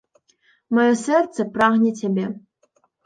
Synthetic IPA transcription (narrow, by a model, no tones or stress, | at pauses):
mɔjɔsɛrt̪sɛpɾaɣnʲɛt͡sʲabʲɛ